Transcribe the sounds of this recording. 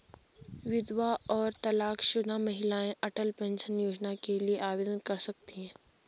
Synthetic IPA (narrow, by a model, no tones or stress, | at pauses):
ʋɪd̪waʔɔːɾt̪ɐlaːkʃʊd̪ʱamɐɦɪlaːẽʔɐʈəlpɛ̃ːnʃənjoːd͡ʒnakelieʔaːʋeːd̪ənkɐɾsɐk̚t̪iɦɛ̃ː